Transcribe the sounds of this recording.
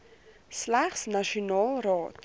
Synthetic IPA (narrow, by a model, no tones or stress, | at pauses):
slæχsnaʃionɑːlˠrɑːt